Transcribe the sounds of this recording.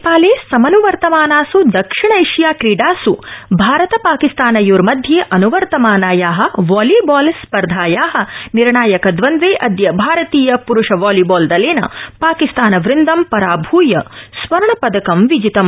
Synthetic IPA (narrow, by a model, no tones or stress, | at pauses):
paːleːsɐmɐnuʋɐɾt̪ɐmaːnaːsud̪ɐkʂiɳɐiʂjaːkɾiːɖaːsubʱaːɾɐt̪ɐpaːkist̪aːnɐjoːɾmɐd̪ʱjeːʔɐnuʋɐɾt̪ɐmaːnaːjaːɦɐ̆ʋaːliːbaːlspɐɾd̪ʱaːjaːɦɐ̆niɾɳaːjɐkɐd̪ʋɐnzeːʔɐd̪jɐbʱaːɾɐt̪iːjɐpuɾuʂɐʋaːliːbaːld̪ɐleːnɐ̰paːkist̪aːnɐʋɾind̪ɐmpɐɾaːbʱuːjɐsʋɐɾɳɐpɐd̪ɐkɐmʋid͡ʒit̪ɐm